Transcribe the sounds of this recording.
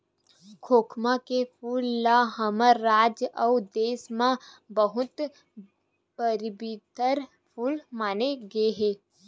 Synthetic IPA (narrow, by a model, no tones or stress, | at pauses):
kʰoːkʰmãkepʰuːlːaɦəməɾːaːd͡ʒəʊd̪eːsmã | bəɦʊt̪ | pəɾbit̪əɾ | pʰuːlmaːneɡɐeɦɛː